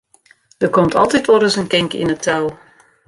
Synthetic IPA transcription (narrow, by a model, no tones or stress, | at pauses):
d̥əkɔmtʰɑ̰lˠtɛtoɾəsənkɪŋkḭnətʰawˠ